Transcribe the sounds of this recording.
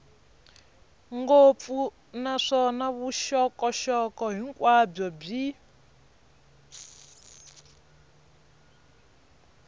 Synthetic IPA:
ŋɡofu | naʂɔnaβuʃɔkɔʃɔkɔɦiŋkwab͡ʐɔb͡ʐi

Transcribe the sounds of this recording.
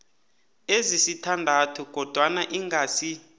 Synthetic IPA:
ezisitʰandʱatʰuɡ̥ʱɔd̥ʱwanaʔiŋɡʱasi

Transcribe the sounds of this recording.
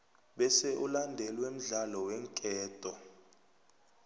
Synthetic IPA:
ɓɛsɛʔulandʱɛlwem̩ɮalɔwɛŋkʼɛːtʼɔ

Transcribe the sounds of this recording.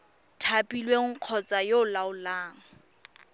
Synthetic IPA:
tʰapʼilweŋŋ̩q͡χʰɔt͡sʼajoʊlaʊlaːŋ̩

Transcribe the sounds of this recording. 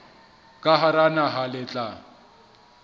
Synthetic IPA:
kʼaɦaɾanaɦalɪt͡ɬʼa

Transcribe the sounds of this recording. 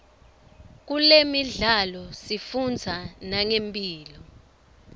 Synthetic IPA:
k̬ulemiɮalɔsifund͡zʱanaŋempʼiːlɔ

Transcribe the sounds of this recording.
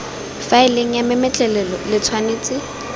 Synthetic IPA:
faɪleŋ̩jamɪmɪt͡ɬʼɛlɛlɔlɪt͡sʰwaneːt͡sʼɪ

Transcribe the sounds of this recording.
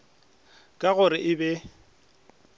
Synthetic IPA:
kʼaɣʊɾɪʔɪbɛ

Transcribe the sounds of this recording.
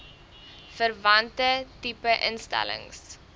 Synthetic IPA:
fərvɐntətipəʔənstæ̰lə̰ŋs

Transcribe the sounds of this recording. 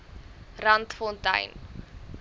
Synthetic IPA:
rɐntfɔntɐ̰jn

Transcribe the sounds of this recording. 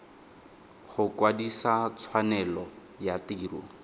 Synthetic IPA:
χʊkwadisat͡sʰwanɛlɔ | jatiːrṵː

